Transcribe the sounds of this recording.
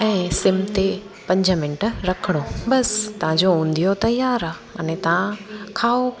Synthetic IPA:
ɛ̃ːsɪmt̪e | pɐ̃ɲd͡ʑʱəmɪ̃nʈəɾɐkʰəɽ̃obɐst̪ɐʋ̤ãd͡ʑoũːnd̪ijot̪ɐjaːɾaːɐ̰nɛ̃t̪ɐʋ̤ãkʰaːo

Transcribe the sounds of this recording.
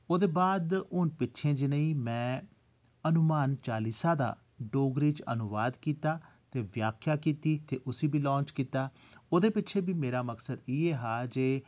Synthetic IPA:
oːd̪eːbaːd̪ʊnpɪtːʃʰẽːd͡ʒɪnəiːmɛ̃ː | ənʊmaːnt͡ʃaːliːsãːd̪a̰ː | ɖoːɡɾiːt͡ʃə̰nʊʋaːd̪kiːt̪aː | t̪eːʋjaːkʰjaːkiːt̪iːt̪eːʔʊsiːbʱiːlɔ̃ːnt͡ʃkiːt̪aː | oːd̪eːpɪt͡ʃʰeːbiːmeːɾaːməksəd̪iːeːɦaːd͡ʒeː

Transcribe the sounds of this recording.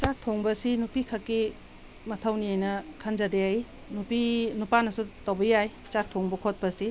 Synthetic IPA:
t͡ʃak̚tʰoŋbɐsinupikʰɐkːi | mɐtʰawniajnɐkʰɐnzadeaj | nupinupanɐsutawbɐjajt͡ʃak̚tʰoŋbɐkʰot̚pɐsi

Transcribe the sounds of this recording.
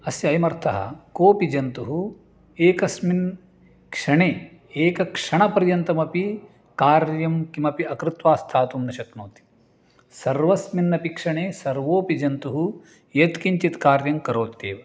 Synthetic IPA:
ɐsjɐjɐmɐɾt̪ʰɐɦɐ̰koːpid͡ʒɐnt̪uɦu | eːkɐsmin | kʂɐɳeː | eːkɐkʂɐɳɐpɐɾjɐnt̪ɐmɐpi | kaːɾjɐmkimɐpiɐkɾɪt̪ʋaːst̪ʰaːt̪umnɐʃɐknoːt̪i̥ | sɐɾʋɐsminːɐpikʂɐɳeːsɐɾʋoːpid͡ʒɐnt̪uɦu | jɐt̪kiɲt͡ʃit̪kaːɾjɐmkɐɾoːt̪ːḛːʋɐ

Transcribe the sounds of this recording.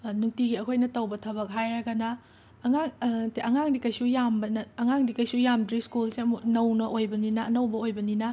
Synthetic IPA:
nuŋtiɡiɐkʰojnɐtɐwbɐtʰɐβɐk̚ɦajaɡɐnɐː | ŋaŋtiʔɐŋaŋdikɐjsujambɐnɐːŋaŋdikɐjsujamdɾiskulseɐmunɐwnɐʔojbɐninɐːnɐwbɐojbɐninɐ

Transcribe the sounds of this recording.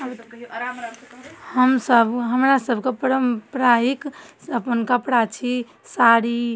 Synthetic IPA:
həmsəbʱɦəmɾasəbʱkepəɾəmpɾaɦikəpənkəpɽat͡ʃʰi | saɾi

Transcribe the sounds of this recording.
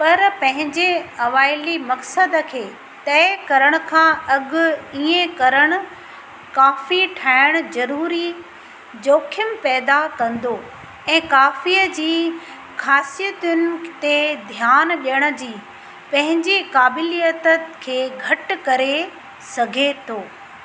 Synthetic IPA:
pɐɾpɐ̃ɦɪ̃ɲd͡ʑeɐʋaːɪlimɐksəd̪kʰeː | t̪ɐːɪkɐɾəɽ̃ʊ̆kʰãːɐɠʊ̆iːẽkɐɾəɽ̃ʊ̆ | kaːfiʈʰaːɪɽ̃̆zɐɾuːɾi | d͡ʑoːkʰəmɪpɛːd̪akɐ̃nd̪o | ɛ̃ːkaːfiːəd͡ʑiː | xaːsijət̪jʊnɪt̪ed̪ʱijaːnɓjəɽ̃ə̆d͡ʑiː | pɐ̃ɦɪ̃ɲd͡ʑikaːbɪlijət̪əkʰeːɡʱɐʈkɐɾe | sɐɡʱet̪ʰoː

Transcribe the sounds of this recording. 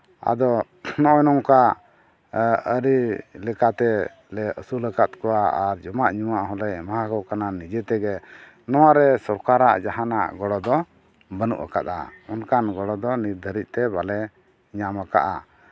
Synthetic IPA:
a̰d̪ɔ | nɔʔɔnɔŋka | əɾilɛkat̪ɛ | lɛəsuləkat̪̚kɔwaaɾd͡ʒɔmaʔɲumaʔɦɔlɛmahakɔkananid͡ʒɛt̪ɛɡɛ | nɔwaɾɛsɔɾkaɾaʔd͡ʒaɦana̰ʔɡɔɽɔd̪ɔ | bənṵʔa̰ka̰t̪a̰ɔnkanɡɔɽɔd̪ɔniɾd̪ʱəɾic̚ˀt̪ɛbalɛ | ɲamaka̰ʔa̰

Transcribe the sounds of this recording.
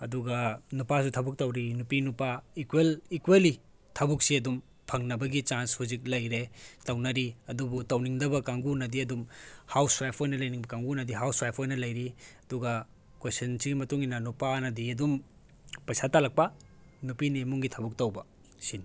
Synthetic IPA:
ɐduɡɐnupasutʰɐbuk̚tɐwɾinupinupaikwelikweli | tʰɐbuk̚siɐdum | pʰɐŋnɐbɐɡit͡ʃanshuzik̚lɐjɾetɐwnɐɾiɐdubutɐwniŋdɐbɐkaŋɡunɐdiɐdumhawswajpʰojnɐlɐjniŋbɐkaŋɡunɐdiɦawswajpʰojnɐlɐjɾiɐduɡɐ | kwesɐnsiɡimɐtuŋinɐnupanɐdiɐdum | pɐjsatalɐk̚pɐ | nupinimuŋɡitʰɐbuk̚tɐwbɐ | sin

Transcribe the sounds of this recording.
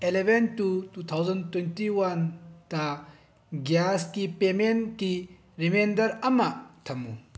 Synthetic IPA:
elebʱentutut̪ʰawzɐntwentiwɐntɐ | ɡjaskipemenki | ɾimendɐɾɐmːɐtʰɐmːṵ

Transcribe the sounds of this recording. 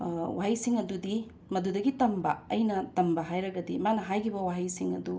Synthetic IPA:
waɦɐjsiŋɐdudi | mɐdudɐɡitɐmbɐɐjnɐtɐmbɐɦajɾɐɡɐdimanɐɦajkʰibɐwaɦɐjsiŋɐ̰du

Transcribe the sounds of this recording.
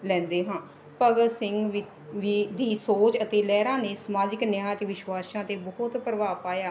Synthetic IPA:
lɛ̃ːnd̪eːɦãː | pəɡəsɪŋɡ | ʋid̪iːsoːt͡ʃət̪eːlɛːɾãːneːsmaːd͡ʒɪknɪjãːt̪eːʋɪʃwaːʃãːt̪eːbɔʊt̪pɾəʋaːpaːjaː

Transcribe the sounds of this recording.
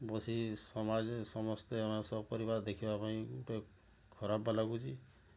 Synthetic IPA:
bɔsisɔmad͡ʒsɔmɔst̪eamasɔbpɔɾibaɾd̪ekʰibapaĩuʈe | kʰɔɾabːalaɡut͡ʃʰi

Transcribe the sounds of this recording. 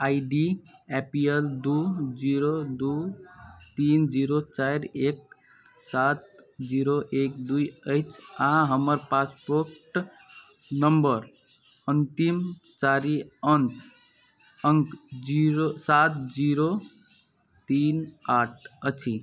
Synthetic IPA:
ajɖiepield̪ud͡ʒiɾod̪u | t̪ind͡ʒiɾot͡ʃajɾek̚ | sat̪d͡ʒiɾoʔekd̪ujəjt͡ʃʰãɦəməɾpaspoɾʈ | nəmbəɾ | ənt̪imt͡ʃaɾiənt | əŋɡd͡ʒiɾosat̪d͡ʒiɾo | t̪inaʈʰət͡ʃʰi

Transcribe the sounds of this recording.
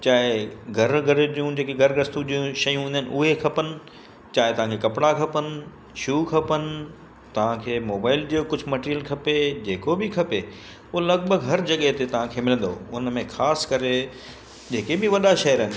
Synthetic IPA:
t͡ɕaːɦɪɡʱɐɾɡʱɐɾd͡ʑijũd͡ʑeːkeɡʱɐɾɡɾɐst̪ũʄijũʃɐjũɦũːnd̪ənɪ̆ʔʊɦekʰɐpənɪ̆ | t͡ɕaːɦɪt̪ɐʋ̤ãŋkʰekɐpɪɽakʰɐpənɪ̆ | ʃuːkʰɐpənɪ̆ | t̪ɐʋ̤ãkʰeːmoːbaːɪld͡ʑiokʊd͡ʑʱʊ̆mɐʈeːɾijəlkʰɐped͡ʑeːkobʱɪkʰɐpe | ʊolɐɡbʱəɡɦɐɾd͡ʑɐɠeɦt̪et̪ɐʋ̤ãkʰeːmɪlə̃nd̪oʊnmẽxʰaːskɐɾe | d͡ʑeːkebɪʋɐɗaʃɐjəɾɦɪn̆

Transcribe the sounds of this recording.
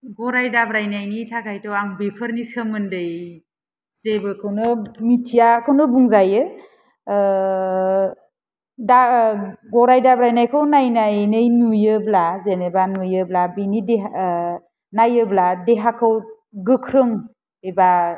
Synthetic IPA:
ɡɔɾajdabɾajnajnitʰakʰajtɔwaŋbepʰɯɾnisəmɯndɯj | zebɯkʰɯwnɯmitʰijakʰɯwnɯbuŋzajɯ | daɡɔɾajdabɾajnajkʰɯwnajnajnɯjnujɯblazenebanujɯblabinideɦa | najɯbladeɦakʰɯw | ɡɯkʰɾɯŋ | eba

